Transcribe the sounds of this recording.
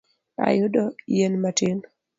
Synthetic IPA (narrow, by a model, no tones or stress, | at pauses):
a̰jʊdɔjenmatʰin